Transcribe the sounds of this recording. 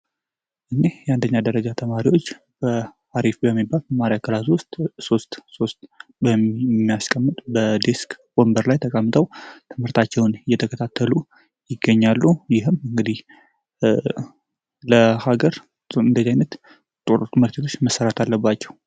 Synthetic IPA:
ʔɨnejɛand̪əɲːad̪əɾəd͡ʒat̪ʰəmaɾiwo̞t͡ʃː | b̥ə | aɾifbəmːibːalmaɾiakʰəlaswʊst̪ʼso̞st̪ʼso̞st̪bəmːijaskʼəmːɨt̪ʼbəd̪eskbo̞mbəɾlajt̪ʰəkʼəmːɨt̪ʼəwt̪ʰɨmhɨɾt̪ʰat͡ʃːɛwnɨjɛt̪ʰəkʰət̪ʰat̪ʰːəlu | jɪɡːəɲːalːujɪɦɨmɨŋɡɨd̪ih | ləhaɡəɾ | ɨnd̪əzajnət̪ | t̪ʼoɾot̪ɨmɨɾt̪ʰit̪ʰo̞t͡ʃːməsːəɾat̪ʰalːəbːat͡ʃːɛw

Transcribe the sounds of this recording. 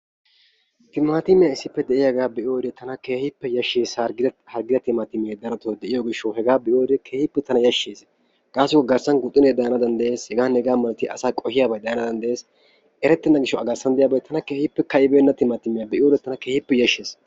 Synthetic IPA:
t̪ɪmːaːt̪ɪmːɪjaɪsːɪpːɛd̪ɛʔɪjɐɡaːbɛʔɪjoːɪd̪et̪ʰːɐnɐkeːhɪpːɛjɐʃːeːshɐɾɡɪhɐɾɡɪd̪ɐt̪ɪmaːt̪ɪmɪeːd̪ɐɾɐt̪od̪ɛʔɪjoɡɪʃːɐwɦɛɡaːbɛʔjoːjɪd̪ekʰeːhɪpːɛt̪ɐnɐjɐʃːeːs | kʼaːsːɪkːɔɡɐɾsɐnɡʊt̪ʼːɪneːd̪ɐjnɐd̪ɐnd̪ɐʔeːshɛɡaːnɛɡaːmɐlt̪ɪʔɐsaːkʼɔhɪjaːbɐjd̪ɐjɐnad̪ɐnd̪ɐʔjeːs | ʔɛɾɛt̪ːɛnːɐɡɪʃːɔɐɡɐɾsɐnd̪ɛjaːbɐjt̪ʰːɐnɐkeːhɪpːɛkɐɪbeːnːɐt̪ɪmaːt̪ɪmɪjabɛʔɪjod̪ɛt̪ːɐnɐkeːhɪpːɛjɐʃːeːs

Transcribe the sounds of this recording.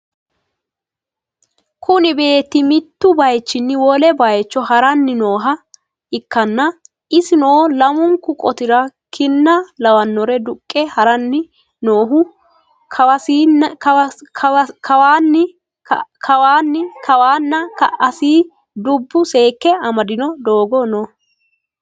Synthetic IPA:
kʰʊnɪbe̞ːt̪ːɪmɪt̪ːʊbɐjt͡ʃːɪnːɪwɔlɛbɐjt͡ʃːɔhɐɾɐnːɪno̞ːɦɐ | ɪkːɐnːɐ | ʔɪsɪnoːlɐmʊŋkːʊkʼɔt̪ɪɾɐkʰɪnːɐlɐwɐnːɔɾɛd̪ʊkʼːɛhɐɾɐnːɪ | no̞ːɦʊ | kʰɐɐiː | kʰɐwaːnːɪ | kʰɐwaːnːɪkɐwaːnːɐkɐʔɐsiː | d̪ʊbːʊse̞ːkːɛɐmɐd̪ɪnɔd̪o̞ːɡɔno

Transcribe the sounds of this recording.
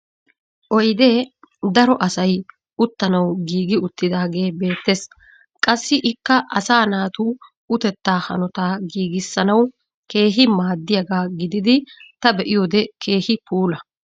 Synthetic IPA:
ʔɔjd̪e̞ː | d̪ɐɾɔʔɐsɐj | ʊt̪ːɐnɐwɡiːɡɪʊt̪ːɪd̪aːɡe̞ːbe̞ːt̪ːeːs | kʼɐsːɪʔɪkːɐʔɐsaːnaːt̪uː | ʊt̪ɛt̪ːaːhɐ̰nɔt̪aːɡiːɡɪsːɐnɐw | ke̞ːɦɪmaːd̪ːɪjɐɡaːɡɪd̪ɪd̪ɪt̪ɐbɛʔɪjod̪ɛkʰe̞ːhɪpuːlɐ

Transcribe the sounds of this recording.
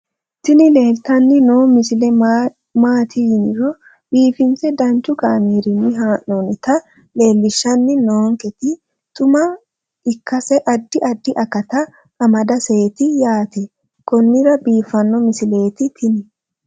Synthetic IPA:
t̪ɪnɪle̞ːlt̪ɐnːɪnoːmɪsɪlɛ | maːt̪ʰɪjɪnɪɾɔ | biːfɪnt͡sɛd̪ɐnt͡ʃːʊkaːmeːɾɪnːɪɦaːʔonɪt̪ɐ | le̞ːlːɪʃːɐnːɪnoːŋkɛt̪ɪ | t̪ʼʊmɐ | ɪkːɐsɛʔɐd̪ːɪʔɐd̪ːɪʔɐkːɐt̪ɐ | ɐmɐd̪ɐseːt̪ɪjaːt̪ɛ | kɔnːɪɾɐbiːfːɐnːɔmɪsɪle̞ːt̪ɪt̪ʰɪnɪ

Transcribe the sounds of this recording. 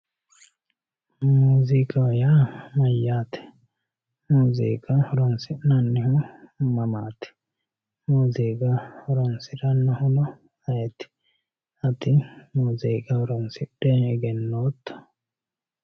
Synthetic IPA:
muːzikɐjaːmɐjːaːt̪ɛ̥ | muːzḭːkɐhɔɾɔnsɪnɐnːɪhʊmɐmaːt̪ɛ̥ | muːziːkɐhɔɾɔnsɪɾɐnːɐhʊlɔ | ɐjɛt̪ɪ̥ | ɐt̪ɪmuːziːkɐhɔɾɔnsɪɗɛɛɡɛnːoːt̪ːɐ̥

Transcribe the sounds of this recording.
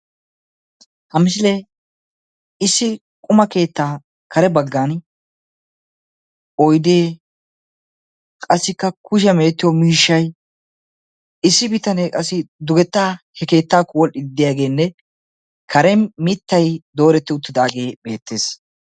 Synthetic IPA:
hɐmɪs̬ɪle | ɪsːɪ | kʼʊmɐke̞ːt̪ːaː | kʰɐɾɛbɐɡːaːn | ɔjd̪eː | kʼɐsːɪkːɐkʊʃ̬ɐmeːt̪ːɪjɔmiːʃːɐj | ɪsːɪbɪt̪ɐnekʼɐsːɪd̪ʊɡɛt̪ːaːhɛke̞ːt̪ːaːkːɔwɔlʔɪd̪ɪd̪ːɪjaːɡe̞ːnːɛ | kʰɐɾɛmɪt̪ːɐjd̪o̞ːɾɛt̪ːɪʊt̪ːɪd̪aːɡe̞ːbe̞ːt̪ːe̞ːs

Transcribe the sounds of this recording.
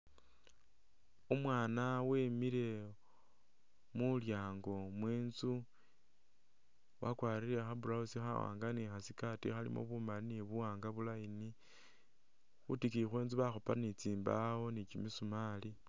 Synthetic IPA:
omwaːnawe̞miɾe̞ | muljaːŋɡo̞mweːnzu | wʔakwaːɾiɾe̞xabuɾausixa̰wa̰ːŋɡanixasikatixalḭmʔo̰βumanineβuwaːŋɡaβulaini | xutikixwe̞ːnzuβaxopanit͡siːmbao̞nit͡ʃimisumali

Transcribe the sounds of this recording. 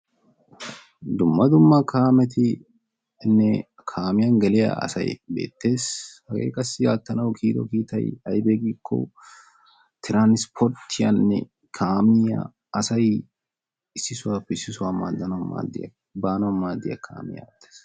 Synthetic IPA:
d̪ʊmːɐd̪ʊmːɐkʰaːmɛt̪ɪ | nːɛ | kʰaːmɪjɐnɡɛlɪjɐ̰ɐ̰sɐ̰jbe̞̰ːt̪ːe̞ːshɐɡḛːkʼɐsːɪjaːt̪ːɐnɐwkʰiːd̪ɔ̰kiːt̪ɐ̰jɐjbeːɡiːkːɔ̰ | t̪ʰɪɾanɪspʰɔɾt̪ʰːɪjɐ̰nːɛ̰ | kʰaːmɪɐ̰ | ɐsɐj | ɪsːɪsʊwaːpːɛɪsːɪsʊwaːma̰ːd̪ːɐnɐwɐnma̰ːd̪ːɪ̰jɐ̰ | baːnɐwɐnmaːd̪ːɪjɐ̰kʰa̰ːmɪ̰jɐ̰t̪ːe̥ːs

